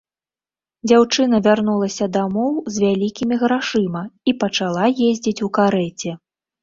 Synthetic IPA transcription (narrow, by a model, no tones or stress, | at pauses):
d͡zʲawt͡ʂɨn̪ɐvʲarnulˠɐsʲɐd̪amɔwzʲvʲalʲikʲimʲiɣɾaʂɨmɐipɐt͡ʂalˠajezʲd͡zʲit͡sʲukaɾɛt͡sʲɛ